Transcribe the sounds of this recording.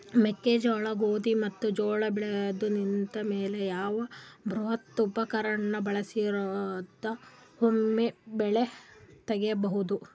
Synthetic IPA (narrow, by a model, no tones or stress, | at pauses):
mekːed͡ʒɐːɭɐɡoːd̪imɐt̪ːud͡ʒoːɭɐbɭed̪unint̪ɐmeːle̞jaːʋɐbʱɾuɦɐt̪ːupɐkɐɾɐnːɐbɐɭɐsiɾod̪ɐ | homːebɛɭet̪ɐɡejɐbɐɦud̪u